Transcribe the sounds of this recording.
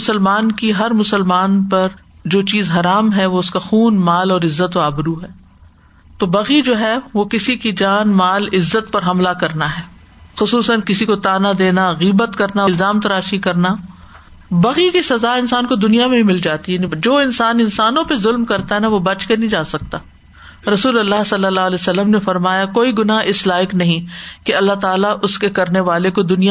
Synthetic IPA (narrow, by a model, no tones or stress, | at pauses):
ʊsəlmaːnkiɦɐɾmʊsəlmaːnpɐɾ | d͡ʒoːt͡ʃiːzɦɐɾaːmɦɛʋoʊskaxuːnmaːlɔːɾɪzːət̪oaːbɪɾuɦɛː | t̪oːbɐɣid͡ʒoːɦɛʋokɪsikid͡ʒaːnmaːlɪzːət̪pɐɾɦɐmlakɐɾnaɦɛː | xʊsuːsə̃n̚kɪsikot̪aːnad̪eːnaɣiːbət̪kɐɾnaɪlzaːmt̪ɐɾaːʃikɐɾna | bɐɣikisɐzaːɪnsaːnkod̪ʊnijamẽɦĩmɪld͡ʒaːt̪iɦɛd͡ʒoːɪnsaːnɪnsaːnõpezʊlmkɐɾt̪aɦɛnaʋobɐt͡ʃkenɐɦĩd͡ʒaːsɐk̚t̪aː | ɾɐsuːlɐlːaɦsɐlːəlːalɛsɐlːəmnefɐɾmaːjakoːiɡʊnaɦɪslaːɪknɐɦĩkeɐlːaɦt̪aːlaʔʊskekɐɾneʋaːlekod̪ʊnija